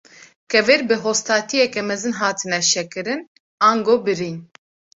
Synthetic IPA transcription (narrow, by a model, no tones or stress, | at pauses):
kɛveɾbɨɦoːst̪aːt̪ʰijɛkɛmɛzɨnɦaːt̪ʰɨnɛʃɛkɨɾɨn | aːŋɡoːbɨɾin